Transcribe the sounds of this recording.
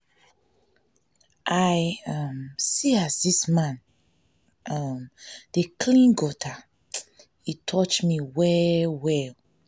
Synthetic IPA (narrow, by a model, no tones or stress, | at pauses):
ʔajʌmsiazdismãn | ʌmd̥ekʰlĩnɡɔtʰa | itʰɔt͡ʃmiwɛwɛl